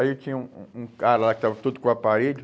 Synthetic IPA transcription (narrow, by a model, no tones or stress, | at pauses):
it͡ʃĩɲɐũũkaɾɐlakɪ̥t̪avɐt̪ud̪ʊkõapaɾeʎʊ